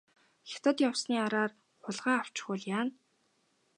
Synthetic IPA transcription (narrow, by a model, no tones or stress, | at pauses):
xʲe̥t̪ə̆t̪jawsniːaɾaːr | χʊɮʁaːaw̥t͡ɕɪχʊɮjaːn